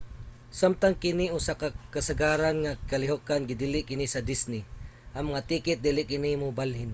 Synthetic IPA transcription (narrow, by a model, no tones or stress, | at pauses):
samt̪aŋkɪnɪʔusakakasaɡaːɾanŋakalɪɦokanɡɪd̪ilɪʔkɪnɪsɐd̪ɪsnɪʔaŋmɐŋat̪iːkɪt̪̚d̪iːlɪʔkɪnimʊbalhɪn